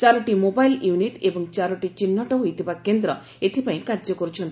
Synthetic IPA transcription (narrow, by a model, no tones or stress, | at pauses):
t͡ʃaɾɔʈimobajljuniʈebɔŋt͡ʃaɾɔʈit͡ʃinːɔʈɔɦojt̪ʰibakend̪ɾɔ | et̪ʰipaĩkaɾd͡ʒɔkɔɾut͡ʃʰɔnt̪